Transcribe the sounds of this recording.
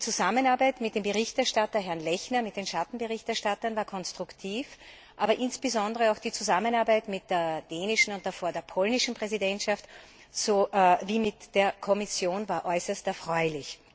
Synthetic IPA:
d̥it͡suzamənaɐbaɪtmɪt̚d̥eːmbəʁɪçtɛɐʃtatɐɦɛɐnlɛçnɐmɪt̚d̥eːnʃatn̩bəʁɪçtɛɐʃtatɐnvaːɐkʰɔnstʁ̥ʊktʰiːf | ʔaːbɐʔɪnsb̥əzɔ̃ndəʁəaʊxd̥iːt͡suzamənaɐbæɪtmɪt̚d̥eːɐd̥eːnɪʃn̩ʊnt̚d̥afoːɐdeːɐpʰɔlnɪʃn̩pʁ̥ɛzidɛntʃaft | zoːviːmɪtd̥eːɐkʰɔmɪsjoːnvaːɐʔɔʏsɐstɛɐfʁ̥ɔʏlɪç

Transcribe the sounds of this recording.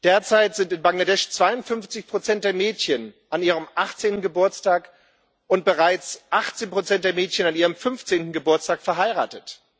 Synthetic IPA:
d̥eːɐt͡saɪtz̥ɪntɪnbaŋladɛʃt͡sv̥aɪʊntfʏnft͡sɪçpʁ̥ot͡sɛnt̚d̥eːɐmɛːtçənʔaniːʁ̞əmʔaχt͡seːntn̩ɡəbʊɐt͡staːk | ʔʊnt̚b̥əʁaɪt͡sʔaχt͡seːnpʁ̥ot͡sɛnt̚d̥eɐmɛːtçənaniːʁəmfʏnft͡seːntn̩ɡəbʊɐt͡staːkfɛɐɦaɪʁa̰ːtət

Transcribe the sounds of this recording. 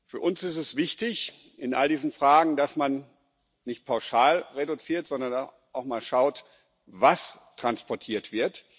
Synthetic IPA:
fyːɐʔʊnsɪstɛsv̥ɪçtɪç | ʔɪnʔa̰ldiːzən̩fʁ̥aːɡŋ̩dasman | nɪçt̚pʰaʊʃaːlʁedut͡siːɐtz̥ɔndɐna | ʔaʊxmaːlʃaʊt | vastʁ̥anspɔɐtʰiːɐtv̥ɪɐt

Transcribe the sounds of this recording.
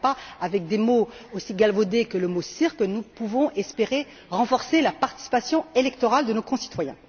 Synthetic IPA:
paavɛk̚d̪emoosiɡalvod̪ekələmosiʁkənupuvɔ̃ʔɛspeʁe | ʁɑ̃fɔʁselapaʁt̪i̥si̥pasjɔ̃elɛk̚t̪ɔʁald̪ənokɔ̃si̥t̪wajɛ̰̃

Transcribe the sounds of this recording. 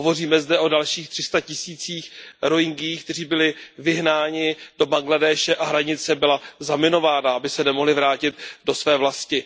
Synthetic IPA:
ɦovo̞riːmɛzdɛʔo̞dalʃiːxt̪r̥ɪst̪acɪsiːt͡siːxɾoɪŋɡɪjːxkt̪ɛr̝iːbɪlɪvɪɦnaːɲɪd̥o̞baŋɡladɛːʃɛʔaɦɾaɲɪt͡sɛbɪlazamɪno̞vaːnaʔabɪsɛnɛmo̞ɦlɪvɾaːcɪt̪do̞svɛːvlascɪ

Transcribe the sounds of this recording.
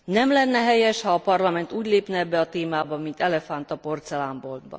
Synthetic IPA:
nɛmlɛnːɛɦɛjɛʃhɒːpɒrlɒmɛn̪t̪uːɟleːpnɛɛbːɛɒt̪eːmaːbɒmint̪ɛlɛfant̪ɒpo̞rt̪sɛlaːmbo̞ld̪bɒ̰

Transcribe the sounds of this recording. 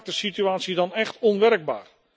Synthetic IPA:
k̚təsityaːtsidɑnɛχtɔnʋɛrəɡ̚ba̰ːr

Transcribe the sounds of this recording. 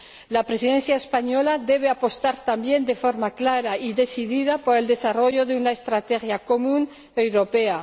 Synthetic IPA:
lapɾesiðenθjaespaɲo̞laðe̞βeapo̞st̪aɾt̪ambje̞nd̪e̞foɾmaklaɾaiðe̞siðið̞apoɾe̞ld̪e̞saro̞ʝoðeunaest̪ɾat̪exjako̞mũn | ewɾopea

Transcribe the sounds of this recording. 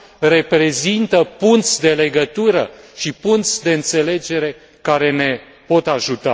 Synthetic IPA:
re̞pɾe̞zint̪əpunt̪sʲd̪e̞le̞ɡət̪uɾəʃipunt̪sʲd̪e̞ɨnt̪se̞le̞d͡ʒe̞ɾe̞ | kaɾe̞ne̞ | po̞t̪aʒut̪a

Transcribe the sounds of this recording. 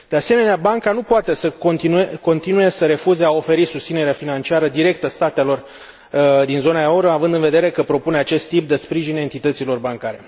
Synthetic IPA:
d̪e̞ase̞me̞neabaŋkanupoat̪e̞səkont̪inueko̞nt̪inuje̞səɾe̞fuzeao̞fe̞ɾisust̪sine̞ɾeafinant͡ʃiaɾəd̪iɾe̞k̚t̪əst̪at̪e̞lo̞r | d̪inzo̞naoɾoavɨnd̪ɨnve̞d̪e̞ɾe̞kəpɾo̞puneat͡ʃe̞st̪ːip̚d̪e̞spɾiʒine̞nt̪it̪ət̪silo̞rbaŋkaɾe̞̰

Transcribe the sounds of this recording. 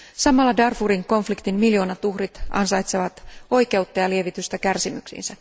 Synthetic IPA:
sɑmɑlːɑdɑrfuɾiŋko̞ɱflikt̪inmmiljo̞ːnɑt̪uhrit̪ɑ̰nsɑjt̪seʋɑt̪o̞jke̞ut̪ːɑjɑlie̞ʋit̪yst̪ɑkærsimyksḭːnsæ

